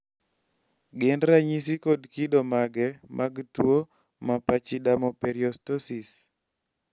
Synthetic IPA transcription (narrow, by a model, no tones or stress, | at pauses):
ɡɪndɾaɲisikodkidomaɡɛmʔaɡtwo | mapat͡ʃidamɔpeɾjɔstosis